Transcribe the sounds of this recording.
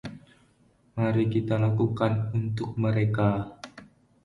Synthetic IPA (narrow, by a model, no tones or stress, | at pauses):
maɾikit̪alakukanunt̪ʊk̚məɾeka